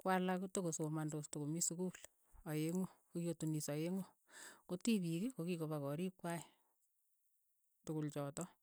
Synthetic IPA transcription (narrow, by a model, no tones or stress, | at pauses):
kwalakutokosomandostokomisukul | ajeŋokojotunisajeŋo | kotiβikekokikoβakɔɾikwaj | tʊkult͡ʃɔtɔ